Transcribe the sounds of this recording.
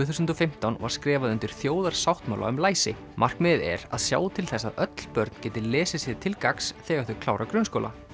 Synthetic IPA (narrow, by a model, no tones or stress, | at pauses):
θusʏnt̪ɔfɪm̥t̪awnva̰ɾ̥skɾɛːvaðʏnt̪ɪɾ̥θjoːwðaɾ̥sawht̪maːwla̰ʏmlaːjsɪ̰ | mʔar̥kmɪðɛ̰ɾaðsja̰ːwt̪ʰɪlθɛsːaðœt̪l̥pœɾt̪n̥cɛːt̪ɪlɛːsɪsjɛɾt̪ʰɪlkaksθɛːɣaɾθʏ̥kʰlaːwɾakɾʏnskowla̰